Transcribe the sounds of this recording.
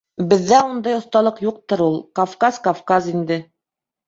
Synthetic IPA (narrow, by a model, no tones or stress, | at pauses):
bɘ̆ðːæund̪ɑjŏθt̪ɑlˠɤqjuq̚t̪ɤɾulˠkɐfkaskɐfkazind̪ɘ